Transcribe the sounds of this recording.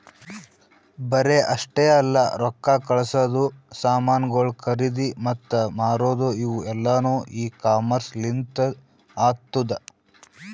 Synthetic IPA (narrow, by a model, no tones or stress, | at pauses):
bɐɾeʔɐʂʈeɐlːɐɾɔkːaːkɐɭɐsɐd̪usaːmaːnɡoːɭkʰɐɾid̪imɐt̪ːɐmaːɾoːd̪uiʋuɛlːɐnuːʔiːkaːmɐɾslint̪ɐ | aːt̪ːud̪ɐ